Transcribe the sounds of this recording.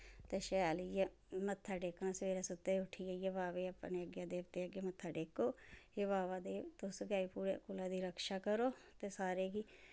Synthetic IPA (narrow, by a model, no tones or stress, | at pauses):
t̪eːʃɛːlije | mət̪ʰːaːɖeːknãːsʋeːɾaːsʊt̪ːeːʊʈʰiːaijəʋaːʋeːəpːneːəɡjãːd̪eːʋt̪eːəɡjeːmət̪ʰːaːɖeːkoːjəʋaːʋaːd̪eːt̪ʊsɡaːiːpuːɾḛːkʊlaːd̪iːɾəkʃaːkəɾoːt̪eːsaːɾeːɡiː